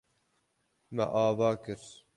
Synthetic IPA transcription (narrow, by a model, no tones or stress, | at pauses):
mɛ̰ʔɑːvɑːkɨɾ